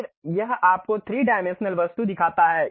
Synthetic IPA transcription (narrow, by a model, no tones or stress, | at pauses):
ɾjɐɦaːp̚kot̪ʰɾiːɖaːɪmẽnʃnəlʋɐst̪ud̪ɪkʰaːt̪aɦɛː